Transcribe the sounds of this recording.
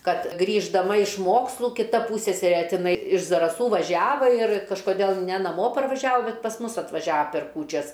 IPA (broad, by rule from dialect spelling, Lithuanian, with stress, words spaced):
ˈkɐt ɡrʲiːʒdɐˈmɐ ɪʃ ˈmoːkslˠʊ kʲɪˈtɐ ˈpuːsʲsʲɛsʲɛrʲeː tʲɪˈnɐɪ ɪʃ zɐrɐˈsuː ʋɐˈʒʲæːʋɐ ɪr kɐʃkoːˈdʲeːlˠ nʲɛ nɐˈmoː pɐrʋɐˈʒʲæːʋoː ˈbʲɛt pɐs ˈmʊs ɐtʋɐˈʒʲæːʋɐ pʲɛr ˈkuːt͡ʃʲɛs